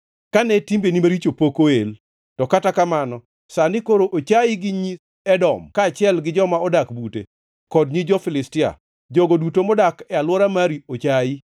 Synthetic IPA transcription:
kanɛtimbenimaɾit͡ʃopokoel | tɔkatakamanɔ | sanɪkoɾoʔot͡ʃaɪɡɪɲi | ɛdɔmkaːt͡ʃɪɛlɡɪd͡ʒɔmaɔdakbutḛ | kɔdɲid͡ʒɔfɪlɪstɪa̰ | d͡ʒɔɡɔdutomɔdakɛalwɔɾamaɾiot͡ʃai

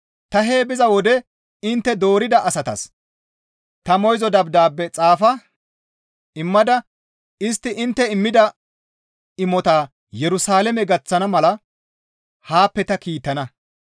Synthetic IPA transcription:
t̪ɐɦe̞ːbɪzɐwɔd̪ɛ | ɪnt̪ːɛd̪oːɾɪd̪ɐʔɐsɐt̪ɐ̰s | t̪ɐmɔjzɔd̪ɐbd̪aːbːɛt͡sʼaːfɐ | ɪmːɐd̪ɐ | ɪst̪ːɪʔɪnt̪ːɛɪmːɪd̪ɐ | ɪmɔt̪aː | jɛɾʊsaːlɛmɛɡɐt͡sːɐnɐmɐlɐ | haːpːɛt̪ɐkiːt̪ːɐnɐ

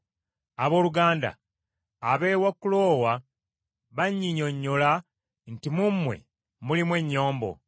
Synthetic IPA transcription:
aβo̞ːluɡaːnda̰ː | βe̞ːwakːulo̞ːwa | βaɲːiɲo̞ɲːola | ntimumːwe̞̰ | mulimwe̞ɲːo̞ːmbo̞̰

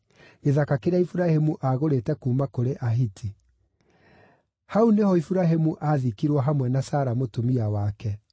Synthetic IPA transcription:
ɣeðakakeɾeaifuɾahemuʔaɣoɾetɛkuːmakoɾeʔaɦitʰi | haunehɔifuɾaɦemuʔaðikiɾwɔɦamwɛnasaːɾamotomiawakɛ

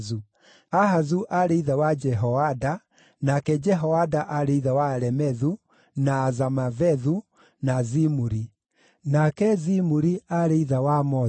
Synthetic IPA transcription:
zu | aɦazuʔaɾeiðawad͡ʒɛɦɔada | nakɛd͡ʒɛɦɔadaʔaɾeiðawaɾɛmɛðu | naːzamavɛðu | nazimuɾi | nakɛzimuɾiaɾeiðawamɔ

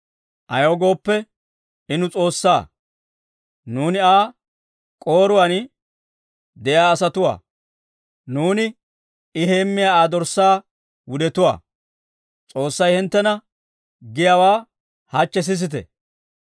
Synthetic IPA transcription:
ʔɐjoːɡo̞ːpːɛ | ɪnʊt͡sʼo̞ːsːaː | nuːnɪaː | kʼo̞ːɾʊwan | d̪ɛjaːsɐt̪ʊwa̰ː | nuːnɪ | ɪhe̞ːmːɪjaːaːd̪ɔɾsːaː | wʊd̪ɛt̪ʊwa̰ː | t͡sʼo̞ːsːɐjhɪnt̪ːɛnɐ | ɡɪjawaː | hɐt͡ʃːɛs̬ɪs̬ɪt̪̬ɛ̰

